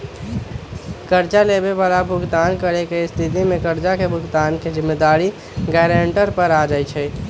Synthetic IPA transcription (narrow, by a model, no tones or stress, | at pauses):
kəɾd͡ʒalebebalabʱuɡt̪ankəɾekest̪ʰit̪̬imekəɾd͡ʒakebʱʊɡt̪anked͡ʒɪmːed̪aɾi | ɡɛɾeɳʈəɾpəɾad͡ʒajt͡ʃʰɛ